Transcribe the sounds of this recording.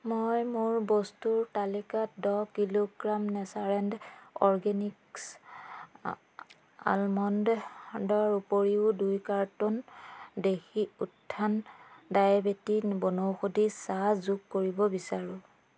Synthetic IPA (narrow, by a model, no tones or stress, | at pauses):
mojmuɹbɔstuɹtalikatdɔkiloɡɹamnɛsaɹɛndɔɹɡɛniks | a̰lmɔnddɔɹupoɹiʊdujkaɹtɔndexiutʰːandajabetibɔnowxodisazuɡkoɹibɔbisaɹʊ̃